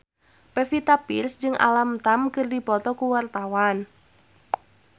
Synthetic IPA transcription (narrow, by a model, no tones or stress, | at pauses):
pɛfit̪apḭrsd͡ʒɨŋʔa̰lamt̪amkɨrdipɔt̪ɔkuwart̪awan